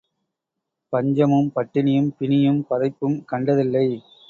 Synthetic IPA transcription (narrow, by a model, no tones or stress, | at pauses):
pɐɲd͡ʒɐmɯmpɐʈːɪnɪjɯmpɪnɪjɯmpɐðɐɪpːɯmkɐɳɖɐðɪlːɐɪ